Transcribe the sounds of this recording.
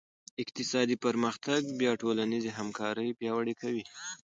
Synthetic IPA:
ɪqt̪ɪsɑd̪ipaɾməxt̪aɡ̚bjɑʈolanizeɦamkɑɾəjpjɑwəɽekʰawi

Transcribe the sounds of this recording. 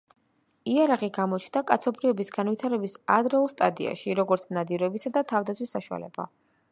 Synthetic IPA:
iaɾaʁiɡamɔt͡ʃʰnakʼat̪sʰɔpʰɾivɛbisɡanvit̪ʰaɾɛbisad̪ɾɛulˠst̪ʼad̪ḭa̰ʃiɾɔɡɔɾt̪sʰnad̪iɾɔɛbisad̪at̪ʰavd̪at̪sʰwisːaʃua̰lɛ̰b̥a̰

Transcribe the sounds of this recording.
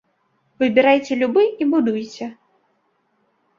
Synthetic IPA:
vɨzbʲɛɾajt͡sʲɛlʲubɨibud̪ujt͡sʲɛ

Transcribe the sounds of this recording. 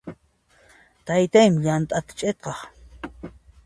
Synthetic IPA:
t̪ajt̪ajmjant̪ʼat̪t͡ʃʼet̪̚qɑχ

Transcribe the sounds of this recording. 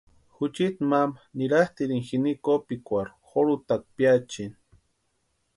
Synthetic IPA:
xut͡ʃit̪mamaniɾaht̪iɾiŋxinikopikʷaɾxoɾut̪ak̚pjat͡ʃin

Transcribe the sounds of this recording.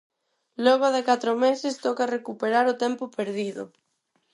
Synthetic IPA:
lɔɣaðekat̪ɾomesɪst̪ɔkarekupeɾaɾʊt̪ɛmpʊpeɾðiðʊ̰

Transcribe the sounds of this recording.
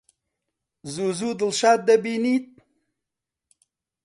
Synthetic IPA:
zuzud̪əlʃat̪̚d̪abinit̪̚

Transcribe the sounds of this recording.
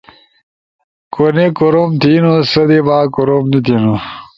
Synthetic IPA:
konekoɾomt̪ʰinosɐd̪ebaːkoɾomnit̪ʰino

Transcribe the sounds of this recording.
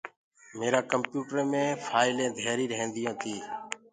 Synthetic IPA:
meːɾaːkəmpjuːʈəɾːmẽːfaːɪlẽːd̪ʱeːɾiːɾəɦẽːnd̪ɪjãːt̪ʰiː

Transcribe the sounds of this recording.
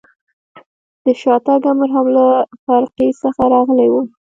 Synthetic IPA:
d̪̥əʃɑt̪aɡaməɾɦamlafaɾqisəxaɾɑɣəlewu

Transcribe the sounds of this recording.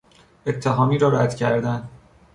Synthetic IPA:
e̞t̪ʰːeɦɒːmiːɾɒːɾæd̪̥cʰæɾd̪æn

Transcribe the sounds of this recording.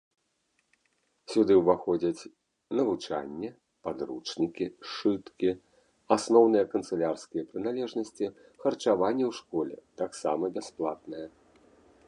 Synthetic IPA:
sʲud̪ɨwvaxɔd͡zʲɐt͡sʲ | nɐvut͡ʂa̰nʲːɛ | pad̪ɾut͡ʂnʲikʲiʂɨt̪kʲi | asnɔwnɨjɐkɐnt̪sɨlʲarskʲijɐpɾɨnalʲɛʐnɐsʲt͡sʲi | xɐrt͡ʂavanʲːɛwʂkɔlʲɛ̰t̪aksamɐbʲɛsplˠat̪̚nɐjɐ

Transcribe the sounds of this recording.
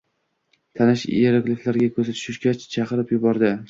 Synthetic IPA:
t̪ʰanɪʃeɾɪkʲlɪkʲlaɾɡʲakʰɵzat̪ʰʊ̥ʃɪʃɡʲat͡ʃt͡ʃʰɑqɨɾɪpjʊbɒɾd̪ɪ

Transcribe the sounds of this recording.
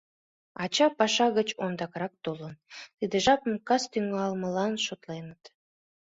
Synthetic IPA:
ɑt͡ɕɑpɑʃɑɣət͡ɕond̪ɑkɾɑk̚t̪olənt̪id̪eʒɑpə̆mkɑst̪yŋɑlməlɑnʃot̪lenət̪

